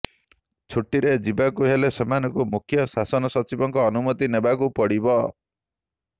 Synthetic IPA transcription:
t͡ʃʰuʈːiɾed͡ʒibakuɦelesɔmanɔkumukʰjɔsasɔnɔsɔt͡ʃibɔŋkɔːnumɔt̪inebakupɔɽibɔ

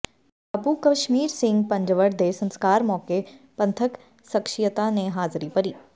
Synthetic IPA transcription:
abukɐʃmiːɾsɪ̃ŋɡ̚pɐ̃ɲd͡ʒəʋəɾd̪eːsə̃nskaːɾmɔːkepɐ̃nt̪ʰək | sɐkʃɪjət̪aneɦaːzɾipɐɾiː

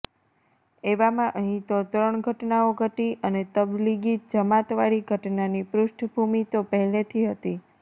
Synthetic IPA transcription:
eʋamãʔəɦĩt̪ot̪ɾəɳɡʱəʈnaoɡʱəʈiʔənet̪əbliɡid͡ʒəmat̪ʋaɭiɡʱəʈnanipɾʊʃʈʰbʱumit̪opəɦɛlet̪ʰiɦət̪i

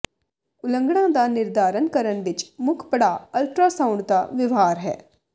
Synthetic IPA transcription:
ʊlə̃ŋɡɽ̃ãːd̪aːnɪɾd̪aːɾənkəɾəɳʋɪt͡ʃmʊkʰpəɽaːəlʈɾaːsãʊ̃ɳɖd̪aːʋɪʋɦaːɾɦɛ̰ː

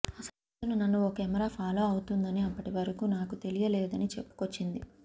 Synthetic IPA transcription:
ɐsɐ | t̪ɐnunɐnːuɔkɐɛmɐɾaːpʰaːlo̞ːɐwut̪und̪ɐniɐpːɐʈiʋɐɾɐkuːnaːkut̪e̞lijɐlɛːd̪ɐnit͡ʃepːu̥ko̞t͡ʃːind̪i

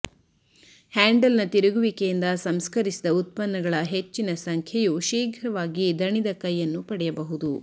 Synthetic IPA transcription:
haːɳɖɐlnɐt̪iɾuɡuʋikejind̪ɐsɐmskɐɾisid̪ɐut̪̚pɐnːɐɡɐɭɐɦet͡ʃːinɐsɐŋkʰɐjuʃiːɡʱɾɐʋaːɡid̪ɐɳid̪ɐkɐjːɐnːupɐɽɛjɐbɐɦud̪u

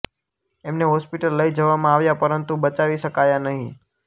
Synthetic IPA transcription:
emneɦɔspiʈəlːəid͡ʒəʋamãaʋjapəɾənt̪ubət͡ʃaʋiʃəkajanəɦĩ

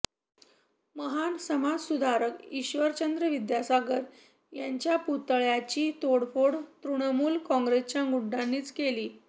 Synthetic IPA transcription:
məɦansəmad͡zsud̪ʱaɾəkiɕʋəɾt͡ɕənd̪ɾəʋid̪jasaɡəɾ | jaɲt͡ɕjaput̪əɭjat͡ɕiːt̪oɽpoɽt̪ɾuɽ̃əmuːlkɔ̃ŋɡɾest͡ɕjaŋɡuɖʱːanːiːt͡skeliː

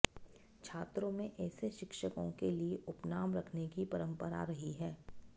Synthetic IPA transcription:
t͡ʃʰaːt̪ɾõmẽʔɛːseʃɪkʃəkõ̰kelieʔʊpnaːmɾɐkʰnekipɐɾə̃mpəɾa̰ɾɐɦiɦɛː

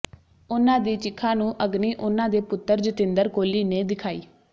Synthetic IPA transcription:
ʊnãːd̪iːt͡ʃɪkʰːãːnũːʔəɡniːʔʊnãːd̪eːpʊt̪ːəɾd͡ʒət̪ɪ̃nd̪əɾkoːliːneːd̪ɪkʰaːḭː

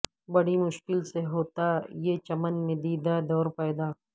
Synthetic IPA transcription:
bɐɽimʊʃkɪlseɦoːt̪ajet͡ʃɐmənmẽd̪iːd̪ad̪ɔːɾpɛːd̪aː

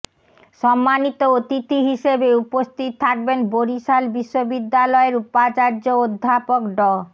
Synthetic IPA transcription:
ʃɔmːanit̪oot̪it̪iɦiʃebeupost̪ʰit̪ʰːak̚benboɾiʃalbiʃːobid̪ːalɔeɾupat͡ɕaɾd͡ʑood̪ʱːapokɖɔ

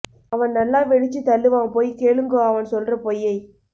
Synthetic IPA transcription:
ɐʋɐnnɐlːãːʋɛɽɪt͡ʃːɯt̪ɐlːɯʋãːpoːjkeːɭɯŋɡoːɐʋɐnsɔlrɐpojːɐɪ

